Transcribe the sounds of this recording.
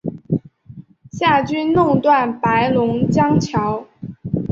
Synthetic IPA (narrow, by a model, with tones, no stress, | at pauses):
ɕja˥˩t͡ɕy˥nnʊ˥˧ŋt̪wa˥˩npa˧˥ɪlʊ˧˥ŋt͡ɕjɑ˥ŋt͡ɕʰjɑ˧˥ʊ